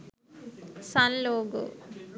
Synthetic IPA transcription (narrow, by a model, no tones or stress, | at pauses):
sanloːɡṵ